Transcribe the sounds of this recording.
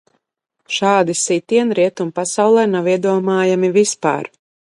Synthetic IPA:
ʃaːd̪isit̪ʲiɛnɾiɛt̪umpasawlˠɛnawiɛd̪uɔmaːjamivispa̰ːɾ

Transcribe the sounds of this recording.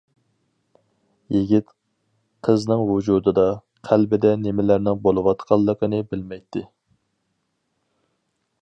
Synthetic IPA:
jiɡʲit̪ | qʰəznɨŋwud͡ʒud̪ɨd̪ɑ | qʰælbɪd̪ɛnemɪlæɾnɪŋbolˠɨwɑt̪qʰɑlˠːəqənɨbɪlmɛjt̪ʰːɪ

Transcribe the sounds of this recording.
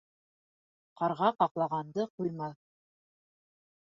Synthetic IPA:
qɑɾʁɑqɑqlˠɑʁɑnd̪ɤqujmɑ

